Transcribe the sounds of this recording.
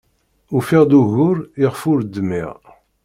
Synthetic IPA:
ufiʁd̪uʝʊɾiʁfʊɾd̪əmɪ̰ʁ

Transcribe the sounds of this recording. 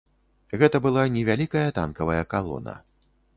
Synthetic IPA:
ɣɛt̪ɐbɨlˠanʲɛvʲalʲikɐjɐt̪a̰nkɐvɐjɐkalˠɔ̰nɐ̰

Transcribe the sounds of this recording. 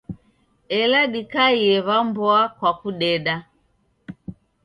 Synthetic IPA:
ɛlaɗikaiɛβambɔakwakuɗɛɗa

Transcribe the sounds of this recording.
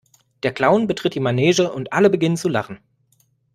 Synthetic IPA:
d̥eːɐkl̥aʊnbətʁ̥ɪt̚d̥iːmanɛːzəʔʊntʔaləbəɡɪnənt͡sulaχn̩

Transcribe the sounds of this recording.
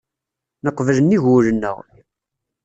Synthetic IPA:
nəqːvələnːiʝʊɾənːə̰ʁ

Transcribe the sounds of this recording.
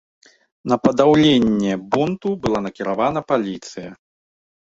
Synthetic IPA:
nɐpɐd̪awlʲenʲːɛbunt̪ubɨlˠanɐkʲiɾavanɐpalʲit̪sɨjɐ

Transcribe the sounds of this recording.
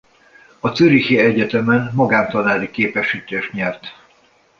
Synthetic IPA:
ɒt̪søɾiheɛɟɛt̪ɛmɛnmɒɡaːmt̪ɒnaːlikeːpɛʃiːt̪eːʃt̪ɲɛrt̪

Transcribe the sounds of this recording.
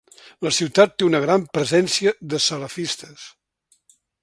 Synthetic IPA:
ləsiwt̪at̪ːeunəɣɾampɾəzɛnsiəðəsələfist̪ə̥s

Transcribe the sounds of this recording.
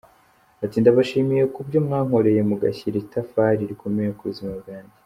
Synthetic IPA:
atindaβaʃiːmije̞kubɟo̞mŋaːŋ̥o̞ɾe̞je̞muɡa̰çiɾitafaːɾiɾikʰo̞mejekuβuzimabɡaːɲɟe

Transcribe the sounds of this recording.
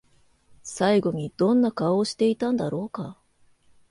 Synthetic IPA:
saiɡo̞ɲ̟id̪̥õ̞nːakaoːɕi̥t̪e̞it̪ãnd̪aɾo̞ːka

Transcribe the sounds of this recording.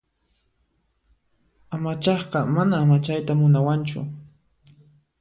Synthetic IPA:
amat͡ʃɑχqɑmanaːmat͡ʃajt̪amʊnawant͡ʃʊ̰

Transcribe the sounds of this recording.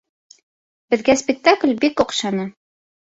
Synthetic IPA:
bɘ̆ðɡæspʲɪk̚t̪aklʲbikoqʃɑnɤ

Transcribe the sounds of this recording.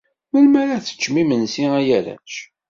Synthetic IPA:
məlmæɾaθə̥t͡ʃːmimənsiæjæɾæ̰t͡ʃ

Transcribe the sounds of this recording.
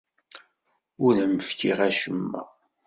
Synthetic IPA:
ʊlæməfkiʁæʃəmːæ̰

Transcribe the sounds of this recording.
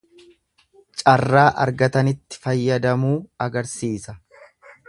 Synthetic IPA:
t͡ʃʼɐrːaːʔɐ̰ɾɡɐt̪ɐnɪt̪ːɪ̥fɐjːɐd̪ɐmuːɐɡɐɾsiːsɐ

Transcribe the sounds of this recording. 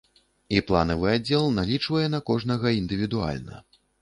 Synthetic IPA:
iplˠa̰nɐvɨad͡zʲːɛlˠnalʲit͡ʂvɐjɛnɐkɔʐnɐɣɐind̪ɨvʲid̪ua̰lʲnɐ̰

